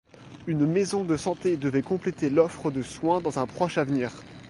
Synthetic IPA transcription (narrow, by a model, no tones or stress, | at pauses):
ynmezɔ̃d̪əsɑ̃t̪ed̪əvɛkɔ̃plet̪elɔfχəd̪əswɛ̃d̪ɑ̃zɛ̃pχɔʃavniːʁ